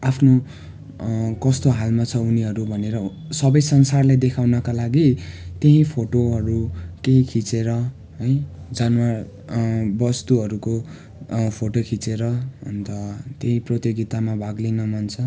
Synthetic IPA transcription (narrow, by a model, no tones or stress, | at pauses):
apʰno | kʌst̪oɦalmat͡sʰʌuniɦʌɾubʱʌneɾʌ | sʌbʌjsʌnsarled̪ekʰawnʌkalaɡit̪eɦĩpʰoʈoɦʌɾukeɦĩkʰit͡seɾʌ | ɦʌjd͡zanwar | bʌst̪uɦʌɾuko | pʰoʈokʰit͡seɾʌʌ̰nt̪ʌt̪eɦĩprot̪jʌɡit̪amabʱaɡlinʌmʌnt͡sʰʌ